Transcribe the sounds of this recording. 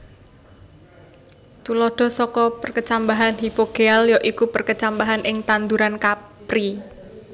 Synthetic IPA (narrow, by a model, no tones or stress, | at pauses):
t̪ulɔɖ̪̥ɔ̤sɔkɔpərkət͡ʃambaɦanɦipoɡ̥eɛljɔʔikupərkət͡ʃambaɦanʔɪŋt̪and̪uɾankapɾi